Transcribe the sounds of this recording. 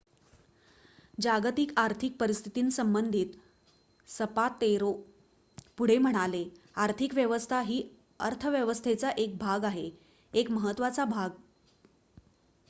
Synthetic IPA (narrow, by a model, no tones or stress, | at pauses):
d͡ʑaɡt̪ikaɾt̪ʰik̚pəɾist̪ʰi̥t̪iːnsəmbənd̪ʱiːt̪ | səpat̪ːeɾo | puɽ̤em̤əɽ̃ale | aɾt̪ʰikʋjəʋəst̪ʰaɦiː | əɾt̪ʰəʋjəʋəst̪ʰet͡saʔek̚bʱaɡaɦe | ekməɦət̪ʋat͡sabʱaɡ